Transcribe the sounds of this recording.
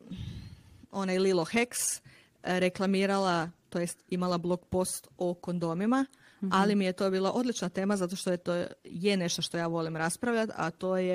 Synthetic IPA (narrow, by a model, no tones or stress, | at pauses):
o̞najlilˠoxeks | ɾe̞klˠamiːɾalˠat̪ojest̪imalˠablˠo̞kpo̞st̪oko̞nd̪o̞mima | alimije̞t̪o̞ːbiːlˠaʔo̞d̪lit͡ʃnat̪e̞ːmazat̪oʃt̪ojet̪ojene̞ʃt̪oʃt̪o̞jaːʋo̞limɾaspɾaʋʎʲat̪a̰t̪o̞ːje